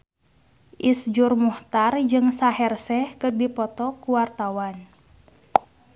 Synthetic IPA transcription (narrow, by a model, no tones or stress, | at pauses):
ʔisd͡ʒurmuht̪ard͡ʒɨŋsaɦɛrsɛhkɨrdipɔt̪ɔkuwart̪awan